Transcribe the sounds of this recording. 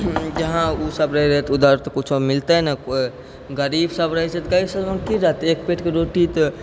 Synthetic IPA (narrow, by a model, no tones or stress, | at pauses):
d͡ʒəɦãusəbɾəɦiɾəɦɛt̪ud̪aɾt̪kut͡ʃʰɔmɪlt̪eɦna | ɡəɾibsəbɾəɦisɛt̪kaisəbmənkiɾəɦt̪ek̚peʈkeɾoʈit̪